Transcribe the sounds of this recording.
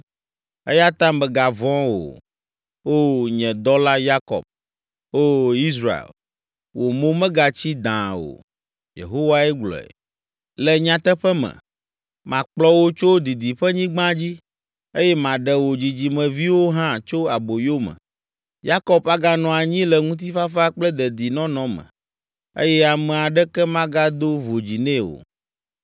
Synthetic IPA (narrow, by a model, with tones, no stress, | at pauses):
ḛ˦ja˦t̪ã˦mbɛ˨ɡa˨vɔ̃˦wo̰˨ | o˦ɲɛ̃˨d̪ɔ˦la˦ja˦kɔ̰˨b̚ | o˦i˦s̬ɾa˨ḛ˨l | wo˨mõ˦mɛ̃˦ɡa˨t͡ɕi˦d̪ã̰˨o̰˨ | jḛ˨ɦo˦wa˦ɛ˦ɡ͡blɔ̰˨ɛ̰˨ | lɛ˨ɲã˨t̪ɛ˦ɸɛ˦mɛ̰̃˨ | mã˨k͡plɔ˦wo˦t͡ʃo˦d̪i˨d̪i˨ɸɛ˦ɲĩ˦ɡ͡bã˦d͡ʑi˦ | e˦jɛ˦mã˨ɖɛ˨wo˨d͡ʑi˨d͡ʑi˨mɛ̃˨vi˦wo˦ɦã˦t͡ʃo˦a˨bo˨jo˦mɛ̰̃˨ | ja˦kɔ˦pa˦ɡa˦nɔ̃˨a˨ɲĩ˦lɛ˨ŋũ˦t̪̬i˦fa˦fa˦k͡plɛ˦d̪ɛ˨d̪i˨nɔ̃˦nɔ̃˦mɛ̰̃˨ | ḛ˦jɛ˦a˨mɛ̃˨a˨ɖɛ˦kɛ˦mã˦ɡa˦d̪o˦vo˨d͡ʑi˨nɛ̃˦wo̰˨